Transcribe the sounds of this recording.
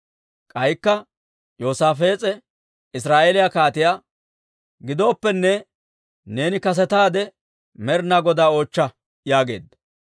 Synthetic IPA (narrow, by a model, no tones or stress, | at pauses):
kʼɐjkːɐ | joːsaːfeːt͡sʼɛ | ɪsɾaːʔeːlɪjakaːt̪ɪjaː | ɡɪd̪o̞ːpːɛnːɛ | ne̞ːnɪkɐs̬ɛt̪aːd̪ɛ | mɛɾnaɡɔd̪aːo̞ːt͡ʃːɐ | jaːɡe̞ːd̪ɐ